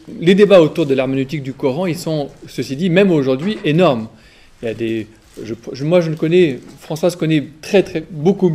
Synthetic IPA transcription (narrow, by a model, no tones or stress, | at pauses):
led̪ebaot̪uʁd̪əlaʁmɔnyt̪ik̚d̪ykɔʁɑ̃ilsɔ̃səsid̪imɛmoʒuʁd̪ɥiʔenɔʁm | iljad̪e | ʒəpʒəmwaʒənəkɔnɛfχɑ̃swazkɔnɛt̪χɛt̪χɛboku